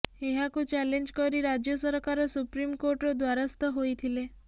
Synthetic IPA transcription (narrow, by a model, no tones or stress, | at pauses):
ɦeɦãkũt͡ʃɛleɲd͡ʒkəɾiɾad͡ʒjəsəɾkaɾəsupɾimkoɾʈod̪ʋaɾast̪əɦoit̪ʰile